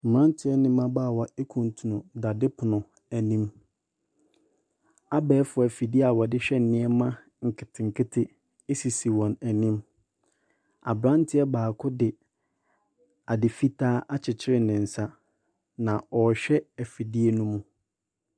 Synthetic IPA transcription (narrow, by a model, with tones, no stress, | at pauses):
m̩˨m˨ã˦n˦tʰɪ˦ɛ˦nɪ̃˦mã˦baː˦˨wa˨e˦kʰũ˨n˨tʰu˨nʊ̃˨da˨dɪ˦pʰʊ˨nʊ̃˨ | æ˨nĩ˦m | a˦bɛː˦fʊ˨ɛ˨fi˨di˦a˨wɔ˨dɪ˦ɕᶣɛ˦n̩˨nɪ̃˦ɛ˦mã˦ | ŋ̩˨kʰɪ˨tʰɪ˨ŋ̩˨kʰɪ˦tʰɪ˦ | e˦si˨si˨wɔ̃˨næ˨nĩ˦m | a̰˨bɾã˦n˦tʰɪ˦ɛ˦baː˨kʰʊ˦dɪ˨ | a˨dɪ˨fi˦tʰaː˦ʔa˦t͡ɕʰɪ˨t͡ɕʰɪ˦ɾɪ˨nɪ̃˨n̩˨sa˦ | nã˨ɔ˨ɕᶣɛ˦ɛ˨fi˨di˦e˦nũ˦mũ˦